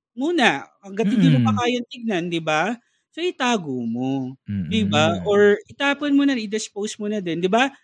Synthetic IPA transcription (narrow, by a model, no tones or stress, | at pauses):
muːnɐɐɡɐt̪ɪd̪ɪmopɐkaːjɐnt̪ɪɡ̚nɐnd̪ɪba | soʔɪt̪aːɡomod̪ɪbaʔoɹɪt̪aːponmonɐnɪd̪ɛspowsmonɐd̪ɛnd̪ɪba